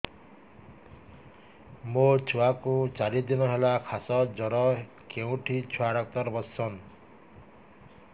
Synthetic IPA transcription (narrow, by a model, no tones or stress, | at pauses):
mot͡ʃʰuakut͡ʃaɾid̪inɔɦelakʰasɔd͡zɔɾɔ | kew̃ʈʰit͡ʃʰuaɽak̚t̪ɔɾbʌsɔn